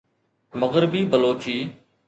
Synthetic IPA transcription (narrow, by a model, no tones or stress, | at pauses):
məɣɾɪbiːbəloːt͡ʃiː